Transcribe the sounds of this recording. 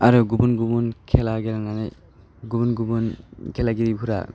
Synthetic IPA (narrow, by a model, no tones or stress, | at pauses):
aɾuɡubunɡubunkʰɛlaɡɛlananaj | ɡubunɡubunkʰɛlaɡiɾibʰuɾa̰